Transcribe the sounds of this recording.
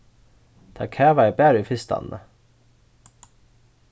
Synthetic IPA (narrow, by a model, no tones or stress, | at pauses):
d̪̥ʰɑ̰ːkʰæːʋɑɛbæːɾifɪst̪ɑ̰nnə